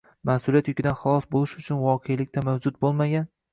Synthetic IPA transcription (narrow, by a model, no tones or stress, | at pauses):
masʊlijat̪jʊkʲɪd̪anχɑlˠɒsbolɪʃʊt͡ʃʰʊnvɒqʰejlɪk̚ʲt̪ʰamawd͡ʒʊt̪̚bolˠmaɡʲan